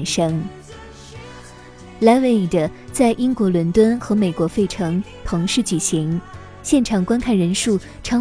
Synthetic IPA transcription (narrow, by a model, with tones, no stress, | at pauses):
nʂɤ˥ŋ | la˧˥nwe˥˩ɪ˩də˩ | t͡sa˥˩ɪʔi˥ŋkwɔ˧˥lwə˧˥nt̪wə˥nxɤ˧˥me˨˩ɪkwɔ˧˥fe˥˩ɪʈ͡ʂʰɤ˧˥ŋt̪ʰɤ˧˥ŋʂɻ̩˥˩t͡ɕy˨˩ɕi˧˥ŋ | ɕjɛ˥˩nʈ͡ʂʰɑ˨˩ŋkwa˥nkʰa˥˩nɻə˧˥nʂu˥˩ | ʈ͡ʂʰɑ˧˥